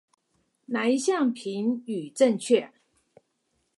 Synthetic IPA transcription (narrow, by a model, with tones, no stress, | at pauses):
na˨˩i˧˥ɕjɑ˥˨ŋpʰi˨˦ny˨˩ʈ͡ʂə˥˧ŋt͡ɕʰɥɛ˥˩